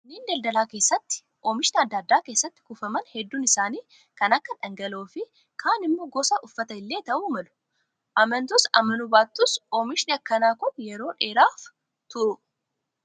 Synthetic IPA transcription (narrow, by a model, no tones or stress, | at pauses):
niːnd̪ɐld̪ɐlaːke̞ːsːɐt̪ːɪ̥ | ʔomɪʃɪnɪɐd̪ːad̪ːaːke̞ːsːɐt̪ːɪ̥kʊfɐmɐnhɛd̪ːuːnɪsaːniː | kɐnɐkːɐᶑɐŋɡɐloːfɪ | kʰaːnɪmːo̞ːɡɔsɐʔʊfːɐt̪ɐɪlːe̞ːt̪ɐʔuːmɐlʊ̥ | ʔɐmɐnt̪ʊsɐ̰mɐnʊbaːt̪ːʊsoːmɪʃɪnɪɐkːɐnaːkʊnjɛɾo̞ːᶑe̞ːɾaːf | t̪ʊɾʊ